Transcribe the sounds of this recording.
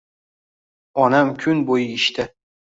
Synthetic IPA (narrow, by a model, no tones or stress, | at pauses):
ɒnamkʲʰʊnbojɪɪʃt̪ʰɪ